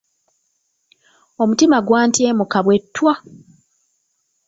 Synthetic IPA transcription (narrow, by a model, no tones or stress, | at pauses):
o̞mutimaɡwaːntieːmukaβwe̞tːwa